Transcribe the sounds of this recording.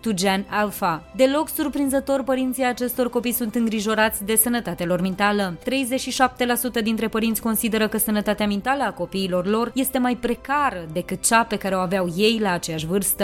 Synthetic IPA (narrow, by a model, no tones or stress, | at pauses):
t̪ud͡ʒanalfad̪e̞lo̞ksurpɾinzət̪o̞rʲpəɾint̪sijat͡ʃe̞st̪o̞rko̞pijsunt̪ɨŋɡɾiʒo̞ɾat̪sʲd̪e̞sənət̪at̪ealo̞rmint̪alət̪ɾe̞jzet͡ʃʃiʃap̚t̪e̞lasut̪əd̪int̪ɾe̞pəɾint̪sʲko̞nsid̪e̞ɾəkəsənət̪at̪eamint̪aləako̞piːlo̞rlo̞rje̞st̪e̞majpɾe̞kaɾəd̪e̞kɨt̪̚t͡ʃape̞kaɾeoaveawje̞jlaːt͡ʃe̞jaʃvɨrst̪ə